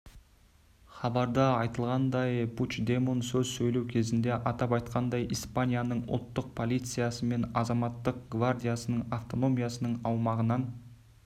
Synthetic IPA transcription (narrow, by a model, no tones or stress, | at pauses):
χɑbɑɾd̪əɑjt̪əlˠʁɑnd̪ɑjbut͡ʃd̪emonsɵzsɵjle̞wkʲʰe̞zɪnd̪e̞ʔɑt̪ɑpɑjt̪qɑnd̪ɑjʔijspanʲijanəɴʊ̰lˠt̪ːəq̚pʰo̞lˠijt̪sɨjasəme̞nɑzɑmɑt̪ːəq̚ɡvard̪ijasənəɴaft̪o̞no̞mʲijasənəɴɑwmɑʁənɑn